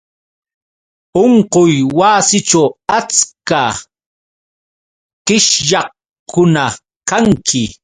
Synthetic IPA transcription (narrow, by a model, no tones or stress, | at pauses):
oɴqojwaːsɪt͡ʃawat͡ska | qɪʃʎɑχ | kʊna | kaŋkʰɪ